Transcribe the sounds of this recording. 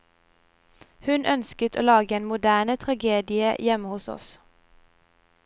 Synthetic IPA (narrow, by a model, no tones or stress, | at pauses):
hʉnʔœnskət̪ʰo̰ːlɑːɡəeːnmʊd̪æːɳət̪ʰʁɑɡeːd̪ɪəjɛməhʊsɔ̰s